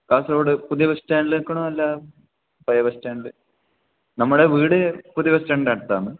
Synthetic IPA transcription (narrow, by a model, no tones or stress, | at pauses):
kaːsɾoːɽɨpuðjɐbɐstaːɳɖlɨkːɐɳoːɐlːaː | pɐjɐbɐstaːɳɖilɨ | nɐmːuɽeʋiːɽɨpuðibɐstaːɳɖɖɐɽt̪ːa̰ːnːɨ